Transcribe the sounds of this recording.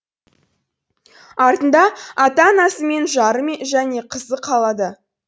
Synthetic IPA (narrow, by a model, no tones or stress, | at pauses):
ɑɾt̪ənd̪ɑɑt̪ɑnɑsəme̞nʒɑɾəmeʒæne̞qʰəzəqʰɑlˠɑd̪ə